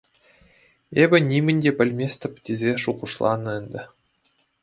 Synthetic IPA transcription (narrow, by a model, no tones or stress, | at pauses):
ebʲɘ̆nʲimʲɘ̆nʲdʲepʲɘ̆lʲmʲesʲt̪ʲɘ̆pʲtʲezʲeʂuʁuʂlˠɑ̰nːɤ̆ɘ̆nʲd̪ʲɘ̆